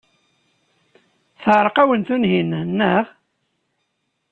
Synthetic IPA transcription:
θʁəɾˤqæwənt̪unɦinənːəʁ

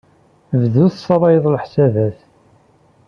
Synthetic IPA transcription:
vðuθsˤɑɾˤɑjəðˤlħsævæθ

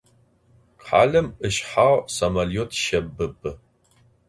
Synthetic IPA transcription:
qħa̰ːɮɐmɨʃħaːʁsɐmɐlijotʰʃɐbɨbɨ

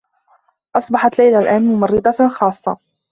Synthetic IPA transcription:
ʔɑsˤbɑħɑt̪lajlalʔaːnmʊmɑrːɪd̪ˤɑxɑːsˤːɑ̰

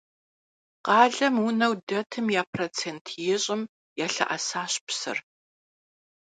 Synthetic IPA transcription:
qɑːɮɐmwʊnɐwdɐtʰɨmjaːpʰrot͡sʰeːntʰjɪɕʼɪm | jaːɬɐ̰ʔɐsaːɕpsɨ̰r

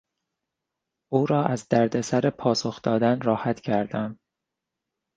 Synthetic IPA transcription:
ʔuːɾɒːʔæzd̪æɾd̪e̞sæɾepʰɒːsoxd̪̥ɒːd̪ænɾɒːhæt̪ʰcʰæɾd̪æm

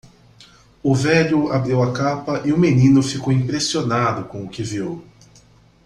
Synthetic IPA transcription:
ʊvɛʎʊabɾiwɐkapɐʔɪʊmenĩnʊfikowĩpɾesionad̪ʊkõʊkɪviow

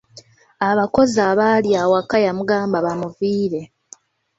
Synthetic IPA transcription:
aβako̞zaβaljawakːajamuɡaːmbaβamuviːɾe

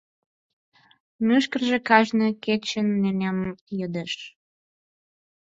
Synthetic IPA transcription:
myʃ̬kərʒĕkɑʒneket͡ɕənːenʲemjød̪eʃ

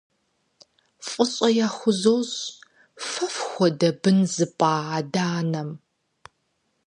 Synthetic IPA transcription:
fʼʊɕʼɐjaːxʷʊzowz | fɐfxʷɔdɐbɨnzɨpʼaːadaːnɐm

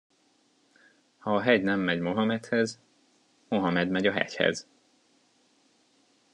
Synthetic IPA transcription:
hɒːɦɛɟnɛmːɛɟmo̞ɦɒmɛt̪hɛz | mo̞ɦɒmɛd̪mɛɟɒɦɛ̰chɛ̰z

